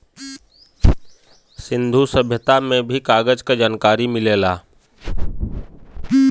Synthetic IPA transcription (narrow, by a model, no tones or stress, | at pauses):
sɪ̃nd̪ʱusəbʱjət̪amẽbʱikaːɡəd͡ʒkad͡ʒaːnkaːɾimɪleːlaː